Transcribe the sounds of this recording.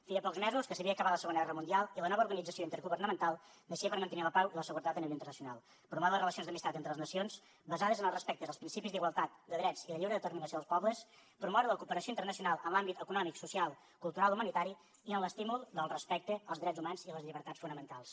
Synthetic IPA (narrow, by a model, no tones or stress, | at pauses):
feəpɔkzmɛzuskəsəβiəkəβat̪ləsəɣonəɣɛrəmunialˠilənɔβəuɾɣənid͡zəsioint̪əɾɣuβərnəmənt̪alˠnəʃiəpəɾmənt̪əniləpawiləsəɣuɾət̪at̪əniβejinɾrnəsiunalˠ | pɾumɔβələrələsionzd̪əmist̪at̪ent̪ɾələznəsions | bəzaðəzənəlˠrəspɛk̚t̪əzəlˠspɾinsipizd̪iɣwalˠt̪at̪̚d̪əðɾɛd͡ziləʎiβɾəðət̪əɾminəsioðəspɔβləs | pɾumɔɾələkupəɾəsioint̪əɾnəsiunalˠəmlambit̪əkunɔmiksusialˠ | kulˠt̪uɾaliumənit̪aɾi | iənləst̪imulˠd̪əlˠrəspɛk̚t̪əəlˠzðɾɛd͡zumanziləzʎiβəɾt̪at͡ssfunəmənt̪alˠs